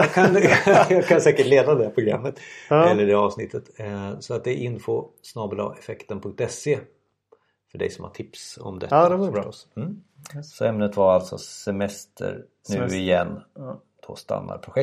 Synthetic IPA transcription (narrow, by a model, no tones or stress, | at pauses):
ɑkʰanjɑːɡkʰansɛːkəʈleːd̪ad̪ɛdæɾpʰɾʊɡɾa̰mːət̪ɛlːəɖɛɾɑːvsnɪt̪ʰːət̪sɔat̪̚d̪ɛʔɪnfo | snɑːbəlɑ̰ːʔɛfɛkt̪ənpʰɵŋkt̪ɛseː | fœɖɛ̰jsɔmha̰ʈʰɪpsɔ̰md̪ɛ̰d̪ɛ | sɔɛmnət̪vaɾalt̪sɔsɛmɛst̪ʰə̰ɾ | nʉ̟ːɪjɛnː | d̪̥oːst̪a̰nːa̰ɾpʰɾʊɧɛ